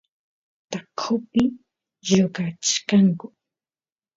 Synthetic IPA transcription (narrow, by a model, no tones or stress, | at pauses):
t̪akʰʊpɪ | joɢat͡ʃkaŋkʊ